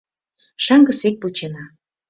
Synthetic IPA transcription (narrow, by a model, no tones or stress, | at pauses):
ʃɑŋɡə̆sek̚put͡ɕenɑ